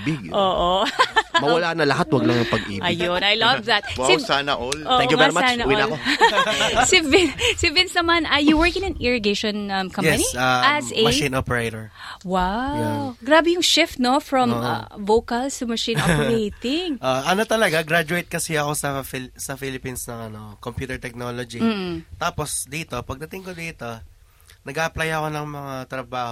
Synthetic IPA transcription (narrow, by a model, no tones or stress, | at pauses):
bɪɡʔoːʔomɐwɐlaːnɐlɐɦat̪wɐɡlɐŋɐŋpɐɡʔḭːbɐɪjonɐjlɐvðɐt̪̚wsɪsanɐʔolʔoʔɛ̃ŋjuɛaɹismaanɐwnlko | sɪvɪsɪvɪnsɐmɐnɐjuwɛɹkɪ̃nɐ̃nɪɹɪɡejʃɔ̃nɐmkʰɐ̃jɛpɐniaɐsmɐĩnopɛɹejt̪oɹ | wawɡɾaːbɛjʊŋʃɪft̪̚nofɹɔ̃mʔɐ̰vowkɐlsʊmɐʃĩnpejt̪ɪŋʔoʔʔɐnot̪ɐlɐɡaɡɾad͡ʒʊejt̪̚kɐsɛɐko̞sɐfisɐfilɪpinsnɐŋɐno̞kompjuːt̪ɛɹt̪ɛk̚nolod͡ʒim̩ːt̪aːposd̪iːt̪o̞pɐɡ̚d̪ɐt̪ɪŋkod̪iːt̪o̞ | nɐɡaʔɐplajɐko̞nɐŋmɐŋat̪ɾɐbaːho